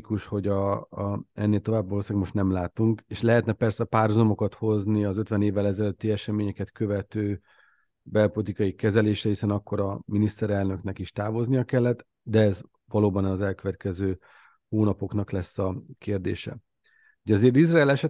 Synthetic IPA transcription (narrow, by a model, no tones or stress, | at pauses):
kuʃho̞ɟ | ɛnːeːlt̪o̞vaːbːoloːsaːɡmo̞ʃt̪nɛmlaːt̪uŋkeːʃlɛɦɛt̪nɛpɛrsɛpaːrɦhuzɒmo̞kɒt̪ho̞zniɒzø̞t̪vɛneːvːɛlɛzɛløt̪ːiɛʃɛmeːɲɛkɛt̪kø̞vɛt̪øː | bɛlpo̞lit̪ikɒjikɛzɛleːʃrɛhisɛnɒkːo̞ɾɒminist̪ɛɾɛlnø̞knɛkiʃt̪aːvo̞znijɒkɛlːɛt̪ː | d̪ɛɛz | vɒloːbɒnːzɛlkøvɛt̪̚kɛzøː | hoːnɒpo̞knɒklɛsːɒkeːrd̪ḛːʃɛ̰ | hoɟɒzeːrt̪izraːlɛʃɛt̪